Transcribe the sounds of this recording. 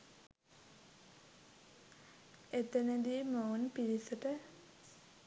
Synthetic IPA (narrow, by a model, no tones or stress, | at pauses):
et̪enəd̪iːməunpiɾisəʈə